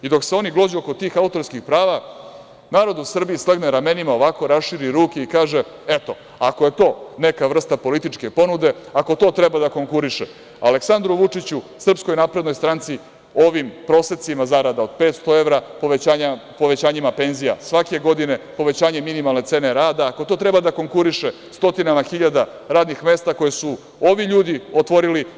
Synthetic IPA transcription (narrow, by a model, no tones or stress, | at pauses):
id̪o̞kseo̞niɡlod͡ʑuoko̞t̪iːxaut̪o̞ɾskixpɾaːʋa | naːɾo̞d̪usr̩biislaɡneɾame̞nimao̞ʋako̞ɾasʃiɾiɾuːkeikaːʒe̞e̞t̪o̞ | akoje̞t̪o̞ːne̞kaʋr̩st̪apo̞lit̪it͡ʂke̞po̞nud̪e̞ako̞t̪o̞ːt̪ɾebad̪ako̞ŋkuɾiʃe | a̰leksand̪ɾuʋut͡ʂit͡ɕusr̩psko̞jnapɾe̞d̪nojst̪ɾant̪si | o̞ʋimpɾo̞set̪simazaɾad̪ao̞d̪̥̚peːt̪st̪o̞e̞ʋɾapoʋaːɲapo̞ʋet͡ɕaːɲimape̞nzija̰sʋake̞ɡo̞d̪ine̞po̞ʋe̞t͡ɕaːɲe̞minimalne̞t̪se̞ːneɾaːd̪aːkot̪o̞t̪ɾe̞bad̪ako̞ŋkuɾiʃe | st̪o̞t̪inamaxiʎad̪a | ɾaːd̪nixme̞ːst̪ako̞jesu | o̞ʋiʎuːd̪io̞t̪ʋo̞ɾili